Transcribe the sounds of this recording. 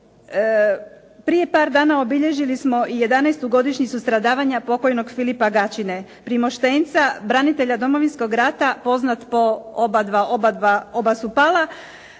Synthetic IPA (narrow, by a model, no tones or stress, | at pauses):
pɾije̞paːɾd̪aːnao̞biʎe̞ʒilismo̞ʔije̞d̪anajst̪uɡo̞d̪iʃɲit̪ust̪ɾad̪aːʋaɲapo̞ko̞jno̞ɡfilipaɡat͡ɕine̞ | pɾimo̞ʃt̪e̞nt̪sabɾanit̪e̞ʎad̪o̞mo̞ʋinsko̞ɡɾat̪apo̞znat̪po̞obad̪ʋaobad̪ʋaobasupala